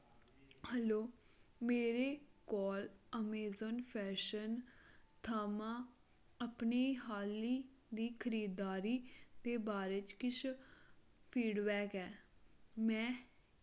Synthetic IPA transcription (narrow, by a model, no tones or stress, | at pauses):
hɛloː | meːɾeːkɔːləmeːzənpʰɛːʃənt̪ʰaːmãː | əpniːɦaːliː | d̪iːkʰəɾiːd̪aːɾiːd̪eːbaːɾeːt͡ʃkɪt͡ʃ | pʰiːɖbɛːkɛː | mɛ̃ː